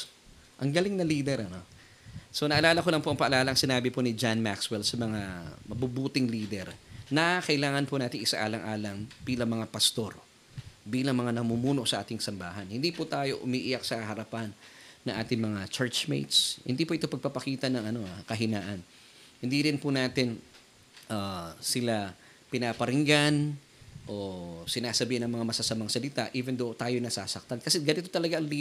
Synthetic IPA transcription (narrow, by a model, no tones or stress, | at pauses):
ʔɐŋɡɐlɪŋnɐliːd̪ɛɾɐno̞ | so̞nɐʔɐlaːlɐkolɐŋpo̞ʔɐŋpɐʔɐlaːlɐʔɐŋsɪnaːbɪponɪd͡ʒanmakswɛlsɐmɐŋamɐbubuːt̪ɪŋliːd̪ɛɾnɐkɐʔɪlaːŋɐnpʊnaːt̪ɪŋʔɪsa̰ʔa̰ːlɐŋʔaːlɐmb̥iːlɐŋmɐŋapɐst̪o̞ɾ | biːlɐŋmɐŋanɐmumuːno̞ʔsɐʔa̰ːt̪ɪŋsɐmba̰ːɦɐnhɪnd̪iːpʊt̪aːjo̞̰ʔʊmiːʔɪjak̚sɐkɐhɐɾɐpanːɐŋʔa̰ːt̪ɪŋmɐŋat͡ʃɛɹt͡ʃmḛjt̪shɪ̰nd̪iːpʊʔɪt̪opɐɡ̚papɐkiːt̪ɐnɐŋʔɐno̞akɐɦɪnaːʔɐn | hɪnd̪iɾɪnpʊnaːt̪ɪn | ʔaːsɪla | pɪnaːpɐɾɪŋɡan | ʔo̞sɪnaːsɐbiːhɪnɐŋmɐŋamɐsasɐmaŋsɐlɪt̪aʔiːvɛnd̪ot̪aːjojnɐsa̰ːsɐk̚t̪ankɐsɛɡɐnɪt̪ot̪ɐlɐɡaʔɐŋliː